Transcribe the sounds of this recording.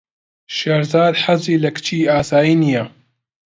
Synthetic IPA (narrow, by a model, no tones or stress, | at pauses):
ʃɐɾzaːd̪ħaziːlɐkɨ̥t͡ʃʰiːaːsaːjiːnijɐ